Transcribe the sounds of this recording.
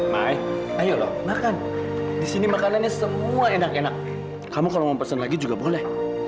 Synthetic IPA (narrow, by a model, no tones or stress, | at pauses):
majajolɔhmakan | disinimakanlaɲasəmuaenakenak̚ | kamukalɔŋaŋpərsənlaɡid͡ʒuɡabolɛh